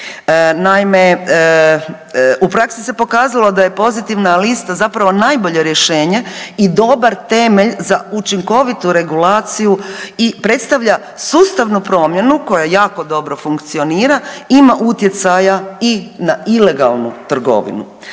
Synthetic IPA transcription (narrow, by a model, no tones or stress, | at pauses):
naime | upɾaksi̥se̞po̞kaːzalˠo̞d̪aje̞po̞zit̪iʋnalist̪azapɾaʋo̞najbo̞ʎe̞ɾjeʃe̞ːɲe̞id̪o̞baɾt̪e̞meʎzaut͡ʃiŋko̞ʋit̪uɾe̞ɡulaːt̪sijuipɾe̞t̪st̪aʋʎa | suːst̪aʋnupɾo̞ːmje̞nuko̞jajaːko̞d̪o̞bɾo̞fuŋkt̪sio̞niːɾaimaʔut̪je̞t̪sajainaile̞ɡa̰lˠnut̪r̩ɡo̞̰ʋḭnṵ